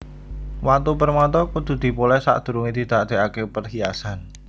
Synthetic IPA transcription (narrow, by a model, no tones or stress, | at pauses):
wat̪upərmɔt̪ɔkud̪̥ṳd̪̥i̤pulɛsa̰ʔd̪̥ṳɾuŋid̪̥i̤d̪̥ad̪̥e̤ʔakepərɦiasan